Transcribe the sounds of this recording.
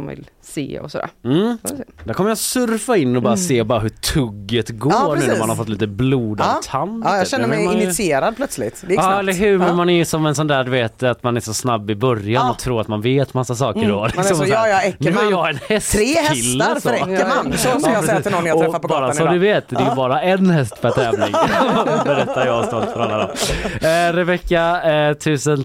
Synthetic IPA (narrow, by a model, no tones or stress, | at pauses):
vɪ̰lsḛːɔ̰sɔd̪æ̰ːɾm̩ːd̪æɾkʰɔməjasɵɾfaɪnːɔbɑːɾaseːbɑːɾaɦʉt̪ʰɵɡːət̪ɡoːɾnʉːnːmanhaɾfɔt̪ːliːt̪əbluːd̪at̪ʰanːjɑɛnːəmɛjmɪnɪsɪeːɾad̪̚pʰlœt̪slɪt̪d̪ɛɑːɛlːəɾɦʉ̟ːɾmɛnmanɛjsɔmɛns̬ɔnd̪æːɖ̪ɵveːt̪at̪manæʂɔsnabːɪbœɾjanɔt̪ʰɾuːɾat̪manveːt̪masːasɑːkəɖɔlɪkksɔmjɛnʉːæɾjɑɛnhɛst̪ʰɾeːhɛɪlːɾsɾɛəaɔɾɛɛiaːt̪ɪnɔnːjaɔɾfat̪pɔbɑːɾasɔd̪ʉveːt̪d̪ɛjəbɑːɾaɛnhɛst̪pɛt̪ʰɛːvlɪ̰ŋbɛɾɛt̪ːaɾjɑst̪ɔlt̪fœɾalːad̪ɔ̰m | ɾɛvɛkːat̪ʰʉ̟ːsən